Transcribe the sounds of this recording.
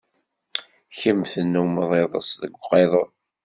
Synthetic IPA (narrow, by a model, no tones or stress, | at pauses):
çəmθənːuməðˤeðˤə̰sðəɡʷqeðˤən